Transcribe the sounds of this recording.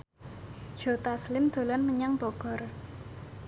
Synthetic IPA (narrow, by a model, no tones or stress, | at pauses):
d̥ʒ̥o̤t̪aslɪmd̪̥o̤lɔnməɲaŋb̥ɔɡ̥ɔ̤r